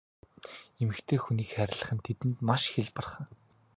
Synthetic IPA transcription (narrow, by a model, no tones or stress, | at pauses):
emɘ̆kt̪ʰeːxuniːkχæɾʲɪ̆ɮə̆χə̆nt̪ʰet̪ɘ̆nt̪maʃxeɮpə̆rχə̆